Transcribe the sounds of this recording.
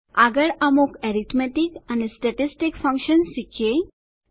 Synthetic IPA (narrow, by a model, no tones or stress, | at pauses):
aɡəɭamokeɾit̪meʈikanesʈɛʈisʈikfə̃ŋkʃənsikʰe